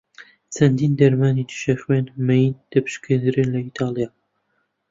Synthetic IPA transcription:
t͡sʰɐnd̪iːnd̪ɐɾmaːnit̪ʰɨ̥ʃɐχwenmɛjind̪̥ɐpʰɨ̥ʃkɨd̪ɨɾɨnlɐit̪ʰɑːlijaː

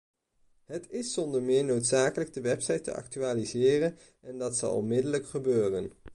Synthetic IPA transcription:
ɦətɪsːɔndəɹmɪːɹnowtsaːkələɡ̚dəʋɛpsɑjtə̰ʔɑ̰k̚tyaːlizɪːrən | ɛndɑtsɑ̰lˠɔ̰nmɪdələkχəbøːrən

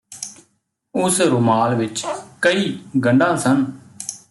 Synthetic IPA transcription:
ʊsɾʊmaːlʋɪt͡ʃkəiːɡʱə̃ɳɖãːsən

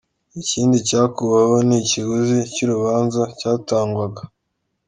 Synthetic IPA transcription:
iciːndicaːkuβawoniciɡuzicuɾuβaːnzacaːtaːŋɡwaɡa

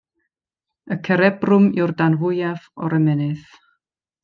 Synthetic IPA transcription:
əkʰəɾɛbrʊmɪwrdanvʊjavɔɾɛmɛnɨð

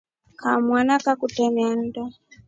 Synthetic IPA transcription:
kamwanakakutɛman̩dɔ

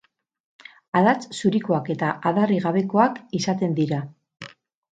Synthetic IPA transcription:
aðat͡ssuɾiko̞ake̞t̪aʔaðariɣaβe̞ko̞akisat̪e̞nd̪iɾa

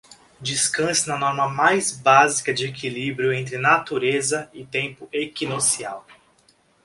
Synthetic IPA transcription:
d͡ʒiskɐ̃sɪnɐnɔɾmɐmajzbazikɐd͡ʒɪekʰilibɾjʊẽnt̪̬ɾɪnat̪uɾezɐɪt̪ẽmpʊekinosia̰w

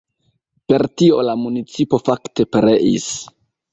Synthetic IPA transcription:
pe̞ɾtio̞̰lamunit͡sipo̞fakte̞peɾeʔḭs

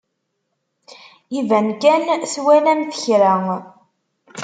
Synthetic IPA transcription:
ivænkænswænænθə̥çɾæŋ

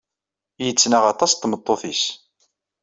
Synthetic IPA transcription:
jət͡sːnaʁɑt̪ˤɑst̪ːmət̪ˤːoθis

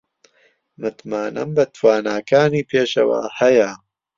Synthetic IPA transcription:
mɨt̪maːnɐ̰mbɐt̪ʰwaːnaːkʰaːniːpʰeːʃɐ̰wa̰ːhɐjɐ

